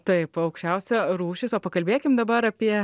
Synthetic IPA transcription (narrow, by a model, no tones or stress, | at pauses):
t̪ɐɪpɐʊkʃʲt͡ʃʲɛʊsʲɛɾuːʃʲɪsoːpɐkɐlʲbʲeːkʲɪmd̪ɐbɐɾɐpʲiɛ